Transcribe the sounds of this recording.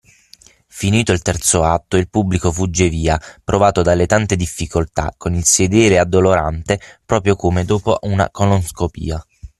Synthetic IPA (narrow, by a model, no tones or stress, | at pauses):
finiːt̪oilt̪ɛrt̪soat̪ːoilpubːlikofud͡ʒːeviːapɾʔovaːt̪od̪alːet̪ant̪ed̪ifːikolt̪a̰kːonilsed̪ɛːɾead̪ːoloɾant̪epɾɔːpɾjokomed̪oːpoʔuna̰koloskopḭːa